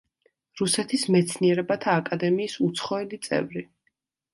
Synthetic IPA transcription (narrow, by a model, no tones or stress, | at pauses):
ɾusɛt̪ʰismɛt̪sʰniɛɾɛbat̪ʰaːkʼad̪ɛmiːsut̪sʰχɔɛlit̪sʼɛ̰vɾi